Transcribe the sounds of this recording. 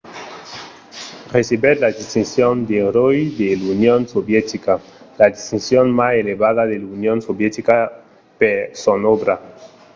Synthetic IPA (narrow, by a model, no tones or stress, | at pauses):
resiβeɾlad̪ist̪insjond̪eɾojd̪elunjonsoβjet̪ika | laðist̪insjonmaseleβaðaðelunjonsoβjet̪ika | peɾsonoβɾa